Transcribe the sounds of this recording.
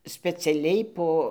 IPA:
sʲpʲɛt͡sʲɛˈlʲɛɪ ˈpoː

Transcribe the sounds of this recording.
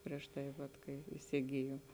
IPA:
pʲrʲiɛʃ ˈtɐɪ ʋɐt ˈkɐɪ ɪsʲɪˈɡʲɪjoːm

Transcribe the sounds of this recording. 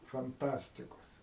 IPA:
fɐnˈtɑːsʲtʲɪkoːs

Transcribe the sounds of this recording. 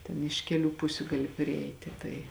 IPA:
ˈtʲɛn ɪʃ ˈkʲæːˌlʲuː ˈpʊsʲʊ ˈɡɑːlʲɪ pʲrʲɪˈɛɪtʲɪ ˈtɐɪ

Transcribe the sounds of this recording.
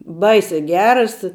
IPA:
ˈbɐɪsʲɛː ˈɡʲæːrɐs

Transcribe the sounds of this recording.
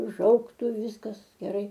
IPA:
ʊ ˈʒɐʊktʊ ˈʋʲɪskɐs ɡʲɛˈrɐɪ

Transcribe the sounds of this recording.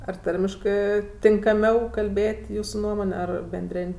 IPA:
ɐr ˈtɐrʲmʲɪʃkɜ tʲɪŋkɐˈmʲɛʊ kɐlʲˈbʲeːtʲ ˈjuːsʊ ˈnuɔmoːnʲ ˈɐr bʲɛnʲˈdʲrʲeːnʲ

